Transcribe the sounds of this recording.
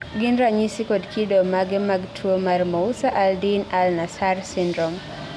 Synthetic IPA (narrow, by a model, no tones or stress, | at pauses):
ɡindɾaɲisikɔdkʰidɔmaɡɛmaɡtʰuɔmaɾmɔusaʔaldinalnasarsindɾɔm